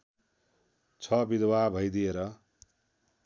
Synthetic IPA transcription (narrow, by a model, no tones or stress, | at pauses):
t͡sʰʌbid̪wabʱʌjd̪ieɾʌ